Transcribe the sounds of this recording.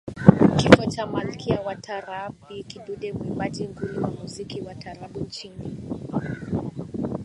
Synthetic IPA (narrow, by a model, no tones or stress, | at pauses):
kifɔt͡ʃamalkʰiawatʰaɾaɓikiɗuɗɛmuiɓad͡ʒiŋɡuliwamuzikiwatʰaɾaɓunt͡ʃini